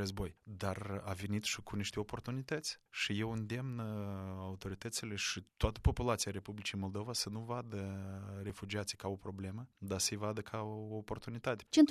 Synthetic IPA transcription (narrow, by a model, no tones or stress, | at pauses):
əzbo̞jd̪arave̞nit̪ʃikuniʃt̪eopo̞rt̪unit̪ət̪sʲʃije̞wɨnd̪e̞mnaut̪o̞ɾit̪ət̪sile̞ʃit̪ʊat̪ə̥po̞pulat̪sijaɾe̞publit͡ʃijmo̞lˠd̪o̞vasənuvad̪əre̞fud͡ʒiat̪si̥kao̞pɾo̞ble̞məd̪asəjvad̪əkʰaoːpo̞rt̪unit̪at̪et͡ʃen